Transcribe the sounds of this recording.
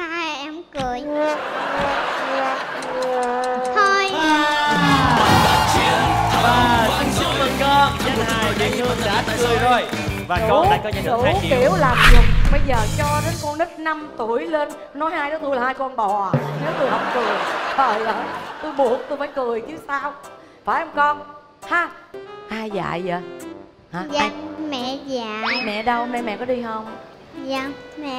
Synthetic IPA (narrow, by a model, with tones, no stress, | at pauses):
a˧˨˩ʔɛ˧mkɨ˨˩əj | t̪ʰo˧ja˨˩˦ə˨˩t͡ɕi˨˦ənvaː˨˩sɨ˨˧˩ŋt͡ɕu˧˦və˨˩nkɔ˧za˨˦aː˩˨˩jɗḭ˨ŋɨ˧˨a̰ː˧˦tə˨˦kɨ˨˩əjzo˧˩jvaː˨˩˨a̰ː˨kɔ˨˦˧ṵ˧˨˧ki˧˩˨əwlaː˨˩mzʊ˨˩ŋ͡m̚ɓə˧jzəː˨˩t͡ɕɔ˧zə˨˦˥t̚kɔ˧nɗə˦˥t̚na˧mt̪u˧˩əjle˧n | nɔ˨˦jhaː˧jɗɔ˨˦t̪ʰu˧laː˨˩haː˧jkɔ˧nɓɔ˨˩˨ne˨˦wt̪u˧jhə˨˩wp̚kɨ˨˩əjəː˨˩jləː˨˩t̪u˧jɓu˨˩ət̚t̪u˧faː˧˩jkɨ˨˩əjt͡ɕɨ˧˦saː˧w | faː˧˩jʔə˧wŋ͡mkɔ˧n | haː˧ʔaː˧jza̰ː˧˨jzəː˨˩ | haː˨˩a˧˨mɛ̰˧˨za˧˨mɛ̰˧˨ɗə˧wmɛ̰˧˨mɛ̰˧˨kɔ˨˦ɗi˧ɦə˧wŋ͡m | a˧mɛ˧˨